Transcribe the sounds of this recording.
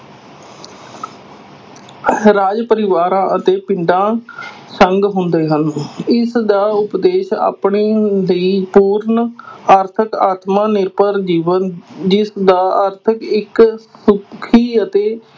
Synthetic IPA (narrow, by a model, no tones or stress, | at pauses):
ɾaːd͡ʒpəɾɪʋaːɾãːʔət̪eːpɪɳɖãː | səŋɡɦʊnd̪eːɦənɪsd̪aːʊpd̪eːʃa̰ːpɳeːləiːpuːɾɳaːɾt̪ʰəkaːt̪mãːnɪɾpəɾd͡ʒiːʋənd͡ʒɪsd̪aːaːɾt̪ʰəkɪksʊkʰiːət̪eː